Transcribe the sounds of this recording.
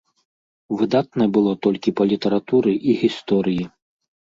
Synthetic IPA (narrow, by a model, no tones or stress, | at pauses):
vɨd̪at̪̚nɐbɨlˠɔt̪ɔlʲkʲipɐlʲit̪ɐɾat̪uɾɨʔiɣʲist̪ɔɾɨji